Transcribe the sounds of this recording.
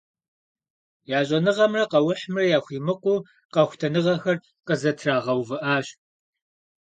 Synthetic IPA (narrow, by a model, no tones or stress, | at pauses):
jaːɕʼɐnɨʁɐmrɐqɐwʊħmrɐjaːxʷiːmɨqʷuː | qɐxʷtʰɐnɨʁɐxɐr | qəzɐtʰraːʁɐwvɨʔaːɕ